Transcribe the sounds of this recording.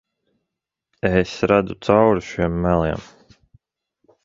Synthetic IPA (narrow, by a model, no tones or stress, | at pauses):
esɾad̪ut̪sawɾuʃiɛmːælˠḭɛm